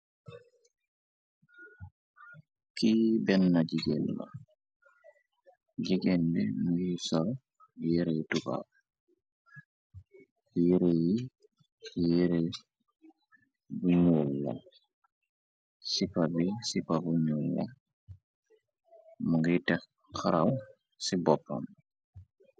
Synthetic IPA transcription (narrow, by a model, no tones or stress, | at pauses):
kibɛnːad͡ʒiɡɛnla̰ | d͡ʒiɡɛndɛmujisɔl | jeɾɛtuba̰b | jeɾeji | jeɾe | buɲulːa̰ | sipabisipabuɲulːa̰ | muɡitɛ | kaɾaw | sibɔpːɔ̰n